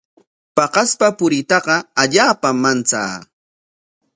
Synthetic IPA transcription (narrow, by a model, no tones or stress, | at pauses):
pɑqɑspapʊɾɪt̪ɑqɑaʎaːpamːant͡sa̰ː